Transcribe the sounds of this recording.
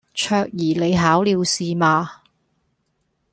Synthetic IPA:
t͡ʃʰœː˧k̚jiː˨˩le˨˧jɦaː˨˥wliː˨˧wsiː˨˧maː˨˧

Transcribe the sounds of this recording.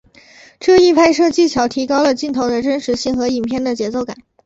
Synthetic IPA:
ʈ͡ʂɤ˥˧i˥˧pʰa˥˧ɪʂɤ˥˧t͡ɕi˥˩t͡ɕʰjɑ˧˥ʊt̪ʰi˧˥kɑ˥ʊlə˨t͡ɕi˥˩nt̪ʰo˧˥ʊd̪ə˧ʈ͡ʂə˥nʂɻ̩˧˥ɕi˥˩ŋxɤ˧˥i˨˩npʰjɛ˥˩nd̪ə˩t͡ɕjɛ˧˥t͡so˥˩ʊka̰˨˩˦n

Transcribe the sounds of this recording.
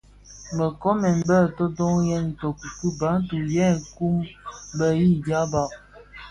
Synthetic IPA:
mə˨kɔ˦mɛ˨m˦bə˦˨tɔ˦dɔ˦ŋjɛ˦ni˨to˨ku˨ku˦ba˨˦ŋ˦tu˨jɛ˦˨ku˦mbə˦ji˦da˦ba˨

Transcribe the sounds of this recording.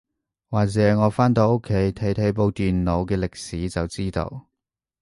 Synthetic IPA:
waː˨k̚t͡sɛː˨˦˥ŋɔː˨˧faː˥nt̪o˧wo˥kʰːe˨˥jt̪ʰe˨˥jt̪ʰe˨˧˥jp̬o˧wt̪iː˨nlo˨˧wkɛː˧lɪ˨k̚siː˨˥t͡sɐ˨wt͡siː˥t̪o̰˧w

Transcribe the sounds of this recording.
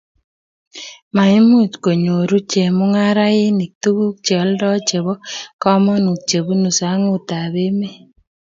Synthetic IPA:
ma˨i˦mu˦˨tko˨ɲo˨ɾu˦t͡ʃe˨mu˦ŋa˦ɾa˦ɪ˦ni˨k̚tu˦ku˦k̚t͡ʃɔ˨˦ldɔ˦t͡ʃe˨βɔ˦kɔ˦mɔ˦nu˨k̚t͡ʃe˨βu˦nu˨sa˨˦ŋu˦˨ta˨βe˦me˦

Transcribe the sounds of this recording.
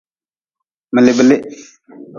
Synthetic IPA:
mə˨lɪ˨bə˨lɪ˦ʔ

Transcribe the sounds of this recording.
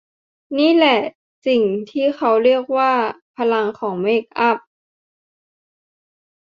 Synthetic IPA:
niː˥˨lɛ˧˩ | si˨˩ŋt̪ʰiː˥˩xʰa˧˥wɾi˥˩ək̚waː˥˩pʰa˧la˧ŋkʰɔː˩˦ŋmeː˧˩k̚ʔa˧˥˩p̚

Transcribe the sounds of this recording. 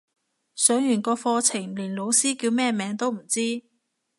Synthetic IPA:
sœː˨˥ŋjyː˨˩nkɔː˧fɔː˧t͡sʰɪ˨˩ŋliː˨˩nlo˨˧wsiː˥kiː˧wmɛː˥mɛː˨˧˥ŋt̪o˥wm̩˨˩t͡siː˥

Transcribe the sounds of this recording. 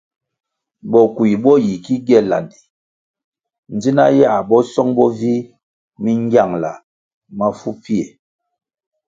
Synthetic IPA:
bɔ˨ku˨i˨bɔ˦ji˨ki˦ɡɛ˦˨la̰˨ndi˨ | n˨d͡zi˦na̰˦ja˦˨bɔ˦sɔ˦ŋbɔ˦vi˦ | mi˦ŋ˦ɡja˦˨ŋla̰˨ | ma˦fu˦pi˦e˨

